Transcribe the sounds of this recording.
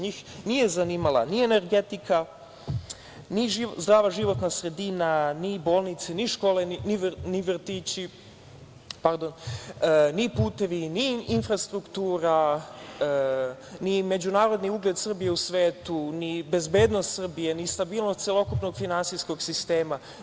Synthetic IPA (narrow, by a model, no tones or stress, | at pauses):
ɲiːxnije̞zaniːmalˠa̰niene̞ɾɡet̪ikʰa | niʒizd̪ɾaːʋaʒiʋo̞t̪nasɾe̞d̪inaniboːlˠnit̪seniʃko̞ːleniʋniʋr̩t̪iːt͡ɕi | paɾd̪on | nipuːt̪e̞ʋiniinfɾast̪ɾukt̪uːɾa | nime̞d͡ʑunaːɾo̞d̪niuɡle̞d̪sr̩bijeusʋeːt̪unibe̞zbe̞ːd̪nost̪sr̩bijenist̪abiːlˠnost̪selokupno̞ɡfinansisko̞ɡsist̪eːma